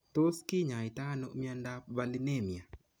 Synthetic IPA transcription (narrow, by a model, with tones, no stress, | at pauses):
t̪o˦skɪ˦ɲa˨ɪ˨t̪a˦no˨mi˦a˦nda˦ba˦lɪ˦ne˦˨mja˨